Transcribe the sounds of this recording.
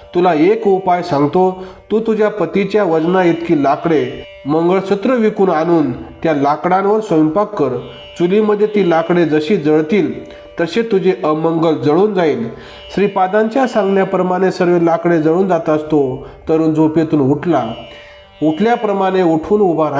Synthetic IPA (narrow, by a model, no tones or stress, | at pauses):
t̪ulaekupajsãŋɡt̪ot̪uːt̪ud͡ʑjapət̪it͡ɕjaʋəd͡znaet̪kiːlakɽe | məŋɡəɭsət̪ɾəʋikuːnañuːnt̪jalakɽãnʋəɾsojmpakːəɾ | t͡suliməd̪ʱːjet̪ilakɽed͡zəɕid͡zəɭt̪iːl | t̪əɕet̪ud͡ʑeʔəməŋɡəɭd͡zəɽuːnd͡zaiːl | ɕɾipad̪ãɲt͡ɕjasãŋɡnjapɾəmaɽ̃esəɾʋelakɽed͡zəɽuːnd͡zat̪aəst̪ot̪əɾuːnd͡zʱopet̪uːnuʈʰla | uʈʰljapɾəmaɽ̃euʈʰuːnubʱaɾa